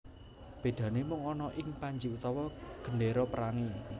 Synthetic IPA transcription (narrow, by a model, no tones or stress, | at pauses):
b̥e̤d̪̥ä̤nemʊŋɔnɔʔɪŋpaɲd͡ʒiut̪ɔwɔɡ̥ə̤neɾɔpəɾaŋi